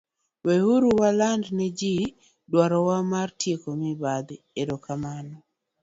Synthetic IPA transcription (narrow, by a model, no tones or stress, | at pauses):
wɛhuɾuwalandnɛd͡ʒi | dwaɾɔwamartjekomɪbad̪ | eɾokamanɔ